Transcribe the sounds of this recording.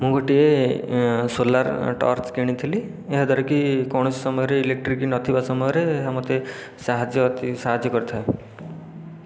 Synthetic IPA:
mũɡoʈie | solaɾʈɔ̰ɾskiɽ̃it̪ʰili | eɦad̪aɾɔkikɔw̃ɔssɔmɔjɔɾeilek̚ʈɾikinɔt̪ʰibasɔmɔjɔɾeːɦamɔt̪e | saɦad͡ʒjɔt̪isaɦad͡ʒjɔkɔɾit̪ʰae

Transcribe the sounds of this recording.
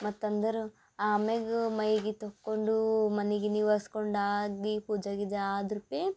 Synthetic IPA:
mɐt̪ːɐnd̪ɐɾu | aːmeɡumɐjɡit̪okːoɳɖumɐneɡeniʋɐːskoɳɖaːɡipuːd͡ʒɐɡid̪eaːd̪ɾupːe

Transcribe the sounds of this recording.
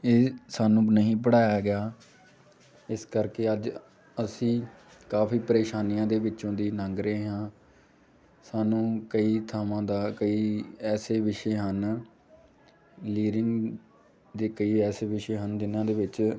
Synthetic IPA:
eːsaːnũːnəɦĩːp̬əɽaːjaːɡɪaː | ɪskəɾkeːəd͡ʒ | əsĩː | kaːfʰiːpəɾeːʃaːnijãːd̪eːʋɪt͡ʃõːd̪iːnə̃ŋɡɾeːɦãː | saːnũːkəiːt̪ʰaːmãːd̪aːkəiːɛːseːʋɪʃeːɦən | liːɾɪŋɡ | d͡ʒeːkəiːɛːseːʋɪʃeːɦənd͡ʒɪnãːd̪eːʋɪt͡ʃ

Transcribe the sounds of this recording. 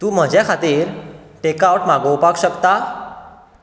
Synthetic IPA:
t̪uːm̤əd͡ʑjakʰat̪iːɾ | ʈekawʈmaɡowpakɕəkt̪a

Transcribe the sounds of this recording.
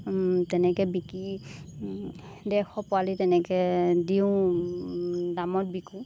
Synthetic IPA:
tɛnɛkɛbiki | dɛxɔpɔalitɛnɛkɛdiʊ̃ | damɔt̚bikũ

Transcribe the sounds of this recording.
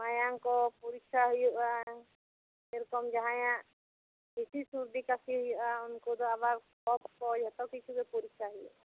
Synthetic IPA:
majaŋkɔpuɾiksʰaɦujuʔa | ɛɾɔkɔmd͡ʒaɦãjãʔ | bisisuɾd̪ʱikasiɦujuʔaunkɔd̪ɔabaɾkɔpkɔd͡ʒɔt̪ɔkit͡ʃʰuɡɛpuɾiksʰaɦujṵʔ

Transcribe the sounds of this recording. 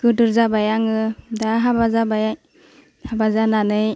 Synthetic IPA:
ɡ̥ɯduɾzabajaŋɯdaɦabazabaja | habazananɯj

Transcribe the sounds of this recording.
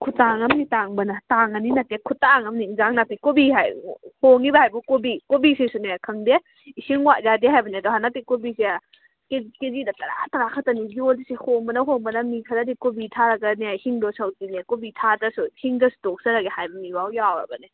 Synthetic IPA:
kʰutaŋɐmnitaŋbɐnɐtaŋɐninɐtekʰutaŋɐmnizaŋnapʰikobiɦajhoŋibahajbukobikobisisunekʰɐŋde | isiŋwatd͡ʒadeɦajbɐniɐdɔɦanatikobisia | kekezidɐtɐɾa̰tɐɾakʰatɐniɡiolisihoŋbɐnɐɦoŋbɐnɐmikʰɐɾadikobitʰaɾɐɡɐneahiŋdosɐwtinekobitʰadɐsuhiŋdɐsu̥tok̚sɐɾɐɡehajbɐmiwawjawɾɐ̰bɐni

